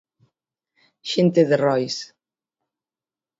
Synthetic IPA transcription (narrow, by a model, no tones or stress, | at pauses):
ʃent̪eðerɔjs